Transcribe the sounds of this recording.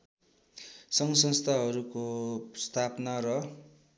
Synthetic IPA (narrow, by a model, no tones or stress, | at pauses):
sʌŋsʌnst̪ʰaɦʌɾukost̪ʰapnaɾʌ